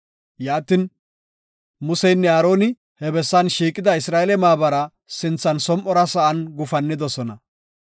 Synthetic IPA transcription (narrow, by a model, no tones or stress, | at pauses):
jaːt̪ɪn | mʊsɛjnːɛaːɾo̞ːnɪ | hɛbɛsːɐnʃiːkʼɪd̪ɐɪsɾaːɛlɛmaːbɐɾɐ | sɪnt͡sːɐnsɔmʔɔɾɐsɐʔɐnɡʊfɐnːɪd̪ɔsɔnɐ